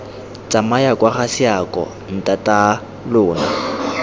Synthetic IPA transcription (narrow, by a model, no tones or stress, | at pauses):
t͡sʼamajakʼwaχasɪakʼɔ̰ | n̩tʼatʼa | lʊːna̰